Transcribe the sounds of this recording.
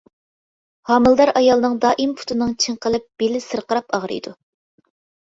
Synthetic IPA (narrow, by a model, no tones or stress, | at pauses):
hɑmɨlˠd̪ɑɾɑjɑlˠɨnɨŋd̪ɑːʔimpʰu̥t̪ʰɨnɨŋt͡ʃʰɨŋqəlˠɨp̚b̥elɪsɨɾqəɾɑpɑʁɾɨ̰jd̪u